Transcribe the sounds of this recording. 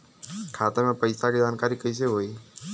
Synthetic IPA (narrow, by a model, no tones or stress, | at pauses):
kʰat̪əmãpəjsakid͡ʒankaɾikəjʃeɦoj